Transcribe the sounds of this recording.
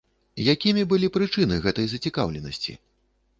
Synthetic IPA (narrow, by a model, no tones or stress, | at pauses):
jakʲimʲibɨlʲipɾɨt͡ʂɨnɨɣɛt̪ɐjzɐt͡sʲikawlʲɛnɐ̰sʲt͡sʲḭ